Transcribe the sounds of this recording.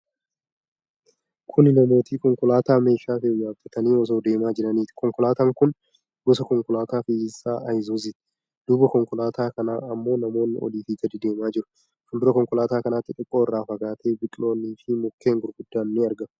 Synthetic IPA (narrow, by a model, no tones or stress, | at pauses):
kʰʊnɪnɐmo̞ːt̪iːkɔŋkʊlaːt̪aːme̞ːʃaːfeːɲaːfɐt̪ɐniːɔs̬o̞ːd̪e̞ːmaːd͡ʒɪɾɐniːt̪ɪ̥kɔŋkɔlaːt̪ɐŋkʊn | ɡɔsɐkɔŋkʊlaːt̪aːfɪsːaːʔɐjzuzɪt̪ɪ̥ | d̪̥ʊbɐkɔŋkʊlaːt̪ʰaːkɐnaːɐmːo̞ːnɐmo̞ːnːɪ̰ʔɔ̰liːfiːt̪ɐd̪ɪd̪e̞ːmaːd͡ʒɪɾʊ̥ | fʊnd̪ʊɾɐkɔŋkʊlaːt̪aːkɐnaːt̪ːɪt̪ʼɪkʼːoːɪrːaːfɐɡaːt̪ʰe̞ːbɪkʼlo̞ːnːiːfɪmʊkːe̞ːŋɡʊɾɡʊd̪ːaːnːɪɐɾɡɐ